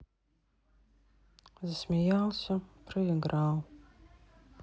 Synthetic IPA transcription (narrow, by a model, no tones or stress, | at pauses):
zəsmʲejalsʲapʰrɨjɛɡral